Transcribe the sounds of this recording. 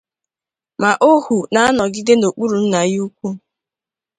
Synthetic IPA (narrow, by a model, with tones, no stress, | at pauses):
ma˨ʔo˦hu˨na˨a˦nɔ˨ɡɪ˦de˦no˨k͡pu˦ɾu˨n̩˦na˨ju˦kʷu˦